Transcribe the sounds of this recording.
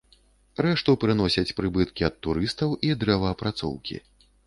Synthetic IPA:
rɛʂt̪upɾɨnɔsʲɐt͡sʲpɾɨbɨt̪kʲiɐt̪ːuɾɨst̪ɐwʔid̪ɾɛvɐːpɾat̪sɔ̰wkʲḭ

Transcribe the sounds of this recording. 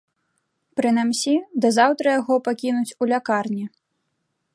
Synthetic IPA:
pɾɨnamsʲid̪ɐzawt̪ɾɐjaɣɔpakʲinut͡sʲulʲakarnʲi

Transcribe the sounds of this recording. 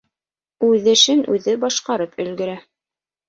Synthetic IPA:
ʉðɘ̆ʃɘnʔʉðɘbɑʃqɑɾɤpɵ̆lɡɵ̆ɾæ

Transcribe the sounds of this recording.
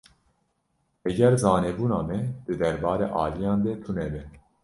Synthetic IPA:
ɛɡɛɾzɑːnɛbuːnɑːmɛd̪̥ɨd̪ɛɾbɑːɾḛːʔɑːlijɑːnd̪ɛt̪ʰunɛbɛ

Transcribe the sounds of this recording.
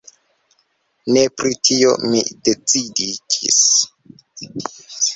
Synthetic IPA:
ne̞pɾitʰio̰mḭde̞t͡sidid͡ʒḭs

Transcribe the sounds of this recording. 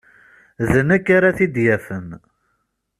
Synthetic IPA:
ðənækːaɾaθid̪jæfən

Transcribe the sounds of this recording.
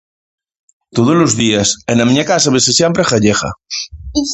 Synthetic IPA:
t̪oðozlozðiɐsenamĩɲakasaβesesjɛmpɾeχaʎexɐ̰

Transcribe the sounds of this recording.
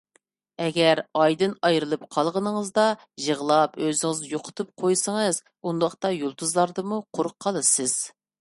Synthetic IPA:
ɛɡʲɛɾɑjd̪ɨnɑjɾɨlˠɨp̚qʰɑlˠʁənəŋəzd̪ɑ | ʒəʁlˠɑpøzɪŋɪzjoqʰʊ̥t̪ʰup̚qʰojsəŋɨz | und̪ɑχt̪ɑjolˠt̪uzlˠɑɾd̪ɨmuqʰoɾʊqʰːɑlˠɨsɨz̥

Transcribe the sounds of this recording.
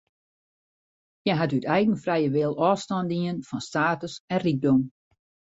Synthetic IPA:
jɛɦatytɛjɣən̩frɛjəʋɪlˠɔːstɔndiənfɔnstaːtəsɛnriɡ̚dom

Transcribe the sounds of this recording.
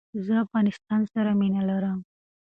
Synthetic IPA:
zəafɣɑnɪst̪ɑnsaɾaminalaɾəm

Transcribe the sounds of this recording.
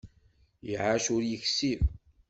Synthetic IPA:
jəʕaʃʊɾjəçsiv

